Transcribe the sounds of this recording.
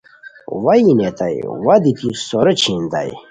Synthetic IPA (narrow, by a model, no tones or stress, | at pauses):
wɐinet̪ɐj̰wɐd̪it̪ʰisoɾɐt͡ɕʰind̪a̰j